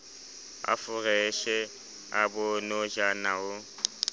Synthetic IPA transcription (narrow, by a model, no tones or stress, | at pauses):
a̰fʊrɛʃɛ | abʊnoʒanaʊ